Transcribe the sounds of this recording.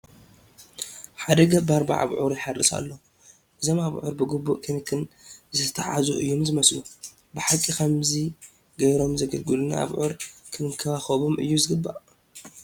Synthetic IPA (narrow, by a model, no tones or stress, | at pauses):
ħad̪ɐɡɐbaɾba̰ʕa̰βʕuɾuħarɨsa̰lːo | ʔɨzo̞maβʕuɾbɨɡɨbːuʔkʰɐmikʰɨnzɨt̪ʰɐt̪ʰaħa̰zuʔɨjːomzɨmɐslu | bɨħakʼikʰɐmzi | ɡɐβɾo̞mzɐɡɐlɡɨluna̰ʔa̰βʕuɾkʰɨmɨkʰɐβaxɐβomʔɨ̰jːuzɨɡɨbːa̰ʔ